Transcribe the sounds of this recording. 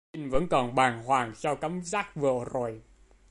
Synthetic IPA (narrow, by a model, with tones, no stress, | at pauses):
i˧ŋ̟və̰˧˥nkɔ˨˩nɓaː˨˩ŋhwaː˨˩ŋsɔ˧wka˨˦˥mzaː˦˥k̚vɨ̰˨˩əzo˨˩j